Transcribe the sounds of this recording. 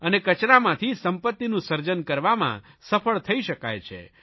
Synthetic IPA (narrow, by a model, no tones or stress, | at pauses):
ənekət͡ʃɾamãt̪ʰisəmpət̪ːinũsəɾd͡ʒənkəɾʋamã̰ | səfʰəɭt̪ʰəiʃəka̰jt͡ʃʰḛ